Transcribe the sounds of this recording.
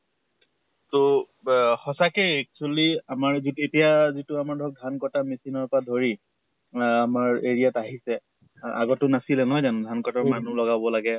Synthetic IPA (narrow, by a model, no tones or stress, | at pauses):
to | hɔsakeɛk̚t͡ʃualiamaɹzitetijazitʊamaɹdʱɔk̚dʱankɔtamesinɔɹpɔɹadʱoɹi | amaɹeɹijataɦisɛ | a̰ɡɔtʊnasilɛnɔɦɔjzandʱankɔtaɹmanulɔɡabɔlaɡɛ